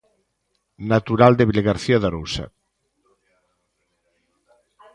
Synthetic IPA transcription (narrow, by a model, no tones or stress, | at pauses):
nat̪uɾald̪eβilɣaɾθiaðaɾusa̰